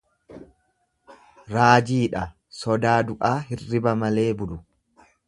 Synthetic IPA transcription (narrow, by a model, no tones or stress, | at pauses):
ɾaːd͡ʒiːᶑɐ | sɔd̪aːd̪ʊʔaːɦɪrːɪbɐmɐle̞ːbʊlʊ